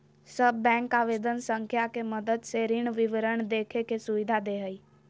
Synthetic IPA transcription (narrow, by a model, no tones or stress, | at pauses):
səbːɛ̃ːŋkaːʋeːd̪ənsə̃ŋkʰjakeməd̪əd̪seɾɪɳʋɪʋəɾəɳd̪eːkʰekesʊʋɪd̪ʱad̪eɦəiː